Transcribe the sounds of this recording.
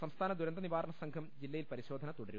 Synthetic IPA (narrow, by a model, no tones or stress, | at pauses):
sɐmst̪ʰaːnɐd̪uɾɐnd̪ɐniʋaːɾɐɳɐsɐŋkʰɐmd͡ʑilːɐjilpɐɾiɕo̞ːd̪ʱɐnɐt̪uɽɐɾu